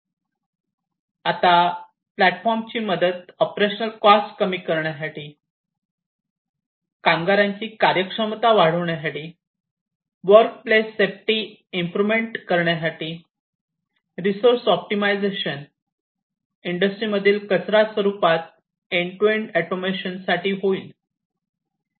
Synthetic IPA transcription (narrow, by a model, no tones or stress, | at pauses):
at̪a | plæʈfɔɾmt͡ɕiːməd̪ət̪ɔpɾeɕənəlkɔskəmiːkəɾɳjas̬aʈiː | kãŋɡaɾjãɲt͡ɕiːkaɾjəkʂəmt̪aʋaɽ̤əʋɳjasaʈiː | ʋəɾk̚plesːep̚ʈi | impɾumeɳʈkəɾɳjas̬aʈiː | ɾisoɾsɔp̚ʈimajd͡zeɕən | iɳɖəsʈɾiːməd̪ʱiːlkət͡sɾasʋəɾupat̪̚ | eɳʈeʈæʈomeɕənsaʈiːɦoiːl